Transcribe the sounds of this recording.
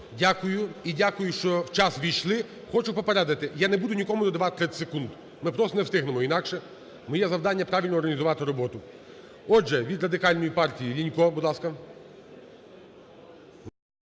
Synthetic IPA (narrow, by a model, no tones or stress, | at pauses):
dʲakʊjʊidʲakʊjʊʃt͡ʃɔwt͡ʃɑsʋʲijʃlˠɪ | xɔt͡ʃʊpɔpeɾɛd̪ɐt̪ɪjanɛbud̪ʊnʲikɔmʊd̪ɔd̪ɐʋɑt̪ɪ̥t̪ɾɛsekund̪ | mɪpɾɔst̪ɔnɛwst̪ɪɦnemɔinɑkʃɛ | mɔjɛzɐwd̪ɑnʲːɐpɾɑʋʲilʲnɔːrɦɐnʲizʊʋɑt̪ɪɾɔbɔt̪ʊ | ɔʒɛʋʲid̪ɾɐd̪ɪkɑlʲnɔjipɑrtʲijilʲinʲkɔbud̪lˠɑskɐ